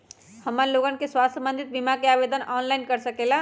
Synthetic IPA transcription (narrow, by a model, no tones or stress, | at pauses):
həmːənloɡənkeswast̪ʰəmbənd̪ʱit̪̚bimakeabed̪ʱənɔnlajnkəɾsəkela